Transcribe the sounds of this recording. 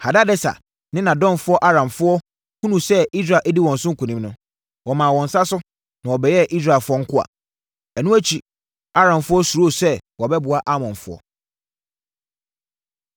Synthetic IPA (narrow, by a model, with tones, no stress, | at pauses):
ha˨da˦dɛ˦sa̰˨ | nɪ̃˦nã˨dɔ̃˦nfʊ˦ɔ˦ʔa˦ɾã˨mfʊ˦ɔ˦ | hũ˦nũ˨sɛ˦i˦s̬ɾa˨ʔɛ˦di˦wɔ̃˨n˨sʊ̃˦ŋ̩˦kʰũ˨nĩ˦mnʊ̃˦ | wɔ˨mã˨wɔ̃˨n̩˨sa˦sʊ˦ | nã˨wɔ˨bɛ˨jɛ˦ʔi˦s̬ɾa˨fʊ˦ɔ˦ŋ̩˦kʰʊ˦a̰˨ | ɛ˨nũ˦æ˦t͡ɕʰi˨ | a˦ɾã˨mfʊ˦ɔ˦su˨ɾo˦˨sɛ˦wɔ˨bɛ˦bʊ˨a˦ʔa˦mɔ̃˨nfʊ˦ɔ̰˦